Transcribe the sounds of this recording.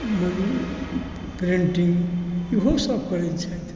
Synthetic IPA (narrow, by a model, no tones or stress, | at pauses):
pɾiɳʈiŋɡiɦosʌbkʌɾet͡ʃʰɛt̪ʰ